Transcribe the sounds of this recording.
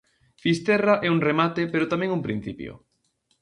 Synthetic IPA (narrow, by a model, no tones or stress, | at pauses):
fist̪ɛraʔɛuŋremat̪epeɾʊt̪amẽŋumpɾĩn̟θipjo̰